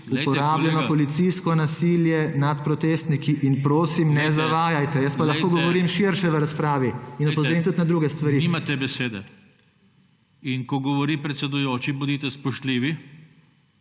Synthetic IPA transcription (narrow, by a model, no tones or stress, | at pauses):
upɔɾaːbljɛnɔpɔlit̪siskɔnasiljɛnat̪pɾɔt̪eːst̪nikiʔinpɾoːsimnɛzaʋaːjajt̪ɛjəst̪̚palaxxkoːɡɔʋɔɾiːmʃiɾʃɛʋəɾaspɾaːʋiinɔpɔzɾiːmt̪ut̪nad̪ɾuːɡɛst̪ʋaɾinimat̪ɛbɛseːd̪ɛ | inkɔɡɔʋɔɾipɾɛt̪sɛd̪ujoːt͡ʃibud̪it̪ɛspɔʃt̪liːʋi